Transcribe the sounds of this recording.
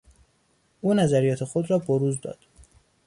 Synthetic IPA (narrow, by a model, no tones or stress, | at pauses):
ʔuːnæzæɾijɒːt̪ʰe̞xod̪ɾɒːboɾuːzd̪ɒ̰ːd̪̥